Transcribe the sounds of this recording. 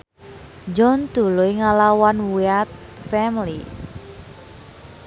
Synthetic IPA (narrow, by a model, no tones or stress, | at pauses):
d͡ʒɔnd̪̥ṳlujŋalawanwiat̪̚ | fɛmli